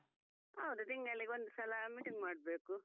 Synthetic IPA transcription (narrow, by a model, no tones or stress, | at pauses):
ɐwd̪ut̪iŋɡɐɭiɡond̪usɐlɐmiːʈiŋɡmaːɽ̚beːku